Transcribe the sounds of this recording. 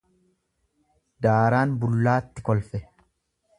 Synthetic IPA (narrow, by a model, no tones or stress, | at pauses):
d̪aːɾaːnbʊlːaːt̪ːɪkɔlfɛ